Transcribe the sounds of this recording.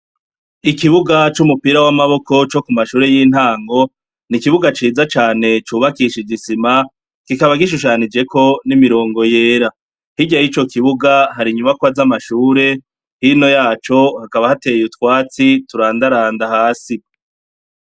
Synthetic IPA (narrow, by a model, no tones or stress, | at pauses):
ikiβuɡat͡ʃumupiːɾawamaβo̞ko̞t͡ʃo̞kumaʃuːɾe̞jiːn̥haːŋɡo̞ | nikiβuɡat͡ʃiːd͡zat͡ʃaːne̞t͡ʃuːβakiʃiɟisima | kikaβaɡiʃ̬uʃ̬aːnid͡ʒe̞ko̞nimiɾo̞ːŋɡo̞je̞ːɾa | hiɟajit͡ʃo̞kʰiβuɡaɦaɾiɲumakwazamaʃuːɾe̞ | hino̞jaːt͡ʃo̞hakaβahate̞jutkwaːt͡situɾaːndaɾaːndahaːsi